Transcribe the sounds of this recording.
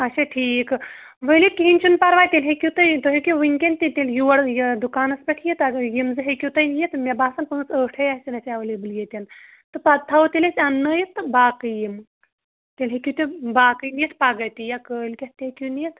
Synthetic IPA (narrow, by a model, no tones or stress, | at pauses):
ɐt͡ʃʰɐʈʰiːk | ʋəlikʲiɦinʲt͡ʃʰunpɐɾʋaːjt̪ʲelʲɦekʲut̪ɐjt̪oɦikʲuʋɨŋʲkʲent̪ʲit̪ʲeljuʋɐɽjd̪ukaːnɐspʲɐʈʰjɐt̪ɐjimzɨɦekʲut̪ɐnjet̪mʲebaːsɐnpɨnɨsəːʈʰɐjasʲinɐsʲaʋəlʲebɨljet̪ʲɐn | t̪ɨpɐt̪ʰɐʋt̪ilʲesʲɐnːəːjit̪ɨbaːkɨjim | t̪ʲelʲɦekʲut̪ʲubaːkɨjnijɐt̪ʰpaɡɐt̪ijakəːlkʲɐt̪t̪ʲekʲunijit̪